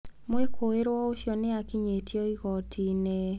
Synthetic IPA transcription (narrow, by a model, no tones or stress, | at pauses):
moekʰoeɾwɔoʃjɔneakiɲetʰjɔiɣɔtʰine